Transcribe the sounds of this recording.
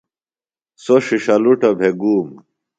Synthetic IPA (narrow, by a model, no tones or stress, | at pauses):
soʂiʂɐluʈɐbʱeɡuːm